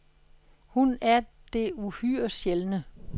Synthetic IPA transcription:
hunæɐ | d̥e̝uhyːɐ̰ɕjelnə

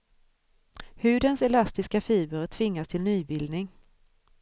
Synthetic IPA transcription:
hʉ̟ːd̪ənsɛlast̪ɪskafiːbəɾt̪ʰvɪŋːast̪ʰɪlnyːbɪld̪nɪŋ

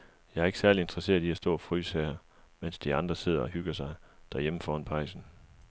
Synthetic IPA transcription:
jɑ̈ɪɐe̝ɡ̥sæɐlie̝nd̥ʁɐse̝̰ːɐð̩ˠd̥iæɐsd̥ɔ̰ːfʁy̰ːsɛːɐ | men̰sd̥iɑ̈nd̥ʁɐse̝ð̞̰ˠɐɒ̽hyɡ̥ɐsɑ̈ɪd̥æɐjeməfɒːhɒnpʰɑ̈ɪsn̩

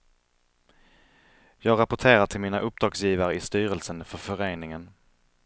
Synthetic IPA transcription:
jɑːɡɾapʊʈʰeːɾaʈʰɪlmiːnaʔɵp̚d̪ɾɑːɡsjiːvaɾəɪst̪yːɾəlsənfœɾfœɾeːnɪŋən

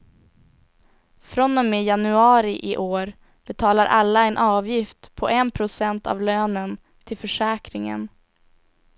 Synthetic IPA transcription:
fɾɔnːɔmeːjanɵɑːɾɪʔɪʔoːɾ | b̥ɛt̪ʰɑːlaɾʔalːaɛnʔɑːvjɪft̪pʰɔʔɛnpʰɾʊsɛnt̪a̰vløːnən | t̪ʰɪlfœʂɛːkɾɪŋə̰n

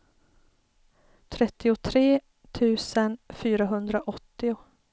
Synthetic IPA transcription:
t̪ʰɾɛt̪ːɪʊt̪ʰɾeː | t̪ʰʉ̟ːsənfyːɾaɦɵnd̪ɾaʔɔt̪ːɪʊ

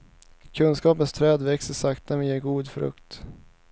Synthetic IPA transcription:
kʰɵnskɑːpənst̪ʰɾɛːd̪vɛksəʂakt̪amɛjeːɾɡuːd̪fɾɵ̰kt̪

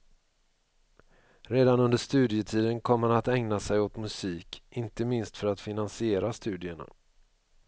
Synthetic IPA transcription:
ɾeːd̪anɵnd̪əʂt̪ʉ̟ːd̪ɪət̪ʰiːd̪ənkʰɔmːanat̪ɛŋnasɛjot̪mɵsiːkɪnt̪əmɪnst̪fœɾat̪fɪnansɪeːɾast̪ʉ̟ːd̪ɪəɳa̰

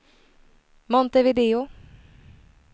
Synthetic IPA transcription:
mɔnt̪əvɪd̪eːʊ

